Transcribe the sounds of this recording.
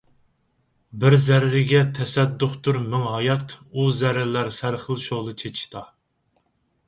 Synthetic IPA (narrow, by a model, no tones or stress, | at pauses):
bɪɾzæɾɾɪɡʲɛt̪ʰɛsɛd̪ːʊχt̪uɾmɪŋɦɑjɑt̪uzæɾɪɾlæɾsæɾχəlˠʃoʁlˠɨt͡ʃʰet͡ʃʰi̥ʃt̪ʰɑ